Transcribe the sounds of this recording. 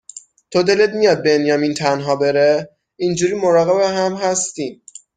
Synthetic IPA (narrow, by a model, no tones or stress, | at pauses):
t̪ʰod̪e̞let̪̚mijɒːd̪̚be̞njɒːmiːnt̪ʰænɦɒːbe̞ɾe | ind͡ʒuːɾiːmo̞ɾɒːɣe̞beɦæmɦæst̪iːm